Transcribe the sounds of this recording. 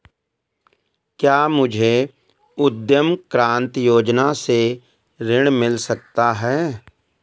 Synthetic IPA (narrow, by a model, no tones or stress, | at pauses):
kjaːmʊd͡ʒʱe | ʊd̪jəmkɾãːnt̪joːd͡ʒnase | ɾɪɽ̃mɪlsək̚t̪aɦɛː